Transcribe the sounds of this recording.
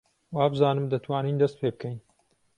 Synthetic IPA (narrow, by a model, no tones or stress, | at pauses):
waːbɨzaːnɨmd̪ɐt̪ʰwaːniːnd̪ɐst̪̚pʰeːbɨkʰɛjn